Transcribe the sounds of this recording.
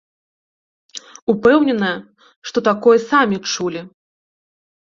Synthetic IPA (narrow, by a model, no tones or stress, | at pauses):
upɛwnʲɛnɐjɐ | ʂt̪ɔt̪akɔjɐsamʲit͡ʂulʲi